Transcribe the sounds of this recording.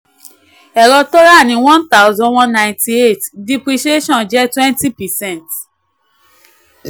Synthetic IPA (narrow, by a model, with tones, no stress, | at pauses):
ɛ˨ɾɔ˧tɔ˦ɾa˦˨nĩ˨wɔ̃˦nt̪a˦ʊ˦zɔ̃˦wɔ̃˦nnã˨j̃nti˧e˦˨tdi˧pɾi˧ʃe˦ʃɔ̃˦˨d͡ʒɛ˦twɛ̃˦nti˦pɛ˨sɛ̃˦˨nt